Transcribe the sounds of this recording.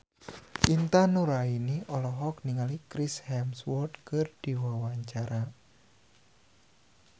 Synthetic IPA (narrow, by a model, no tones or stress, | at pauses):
int̪anuɾainiʔɔlɔɦɔk̚niŋalikɾishɛmswɔrd̪kɨrd̪̥iwawaɲt͡ʃaɾa